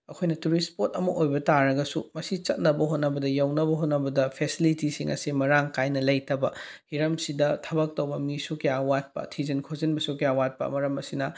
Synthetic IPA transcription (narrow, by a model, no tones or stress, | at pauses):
ɐkʰojnɐtuɾispotɐmɐʔojbɐtaɾɐɡɐsṵmɐsit͡ʃɐt̚nɐbɐɦot̚nɐbɐdɐjawnɐbɐɦot̚nɐbɐdɐpʰesilitisiŋʔɐ̰simɐɾaŋkajnɐlɐjtɐbɐhiɾɐmsidɐtʰɐbɐk̚tɐwbɐmisukiawat̚pɐ̰tʰizɐnkʰozɐnbɐsukiawat̚pɐ̰mɐɾɐmɐsinɐ